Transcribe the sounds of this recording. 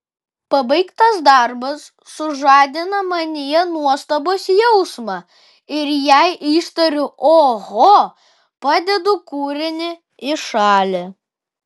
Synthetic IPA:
pɐbɐɪkt̪ɐsd̪ɐˑɾbɐsːʊʒɑːd̪ʲɪnɐmɐnʲɪjɛnuɔst̪ɐboːsjɛʊsmɑ | ɪɾjæɪʔiːst̪ɐɾʲʊʔoːɣoː | pɑːd̪ʲɛd̪ʊkuːɾʲɪnʲɪ | ɪʃɑːlʲɛ

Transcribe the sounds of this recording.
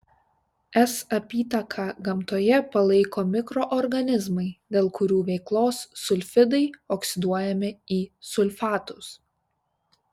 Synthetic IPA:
ɛsɐpʲiːt̪ɐkʰɑːɡɐmt̪oːjɛpɐlˠɐɪkoːmʲɪkɾoʔɔɾɡɐnʲɪzmɐɪd̪ʲeːlˠkʊɾʲuːʋʲɛɪklˠoːsːʊlʲfʲɪd̪ɐɪɔksʲɪd̪uɔjɛmʲɪiːsʊlʲfɑːt̪ʊs

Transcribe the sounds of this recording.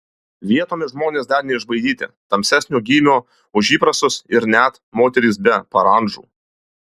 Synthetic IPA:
ʋʲiɛt̪oːmʲɪʒmoːnʲeːsd̪ɐɾnʲɛɪʒbɐɪd̪ʲiːt̪ʲɪ̰t̪ɐmʲsʲæsʲnʲuːɡʲiːmʲuː | ʊʒʲiːpɾɐst̪ʊsɪɾnʲæt̪ | moːt̪ʲɛɾʲiːˑs̬bʲɛpɐɾɐnʒṵː

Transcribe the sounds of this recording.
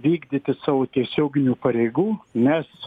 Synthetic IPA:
ʋʲiːɡd̪ʲit̪ʲɪsɑːʋoːt̪ʲiɛsʲoːɡʲɪnʲuːpɐɾʲɛɪɡuːnʲɛs

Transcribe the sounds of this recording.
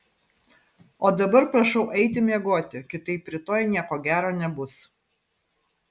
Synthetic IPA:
oːd̪ɐbɐɾpɾɐʃɐʊʔɛɪt̪ʲɪmʲeɛɡoːt̪ʲɪkʲɪt̪ɐɪpʲːɾʲɪt̪oːjnʲiɛkoːɡʲæːɾoːnʲɛbʊs

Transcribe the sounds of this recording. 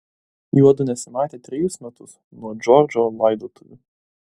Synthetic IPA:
juɔd̪ʊnʲɛsʲɪmɑːt̪ʲeːt̪ʲɾʲɪjʊsmʲɛt̪ʊs | nuɔd͡ʒʲɔɾʲd͡ʒʲolˠɐɪd̪oːt̪ʰʊjṵ

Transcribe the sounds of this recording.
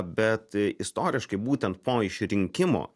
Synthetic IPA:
bʲɛt̪ɪst̪oːɾʲɪʃkɐɪbuːt̪ʲɛnt̪̚poːɪʃʲɾʲɪŋʲkʲɪmo̰ː

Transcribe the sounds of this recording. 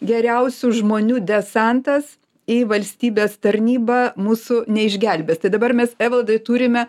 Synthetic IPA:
ɡʲɛɾʲɛʊsʲʊʒmoːnʲuːd̪ʲɛsɑnt̪ɐs | iʋɐlʲsʲt̪ʲiːbʲeːst̪ɐɾʲnʲiːbɐːmuːsʊnʲɛɪʒʲɡʲɛlʲbʲeːst̪ɐɪd̪ɐbɐrmʲɛsɛːʋʲɛlˠd̪ɐɪt̪uːɾʲɪmʲɛ

